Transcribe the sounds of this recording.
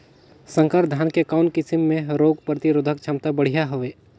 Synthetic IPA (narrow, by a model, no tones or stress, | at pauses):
sə̃ŋkəɾd̪ʱaːnkekaːnkɪsɪmːẽɾoːɡpɾət̪iɾʊd̪ʱək̚t͡ʃʰɐ̃mt̪abəɽ̤ijaɦoʋeː